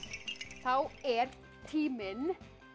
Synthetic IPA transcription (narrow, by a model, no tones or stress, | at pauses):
θaʊeːɾ | t̪ʰiːmən